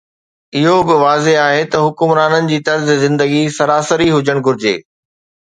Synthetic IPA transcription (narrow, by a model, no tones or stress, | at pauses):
ɪɦobɪʋaːzeaːɦet̪ɐɦʊkʊmɾaːnənɪ̆d͡ʑiːt̪ɐɾzzɪ̃nd̪əɡisɐɾaːsəɾiɦʊd͡ʑəɽ̃ɡʱʊɾɪd͡ʑḛː